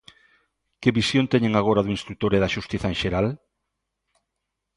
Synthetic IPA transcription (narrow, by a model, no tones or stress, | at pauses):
keβisjõnt̪eɲeŋaɣ̞oɾaðuĩnst̪ɾuk̚t̪oɾeðaʃust̪iθɐẽnʃeɾal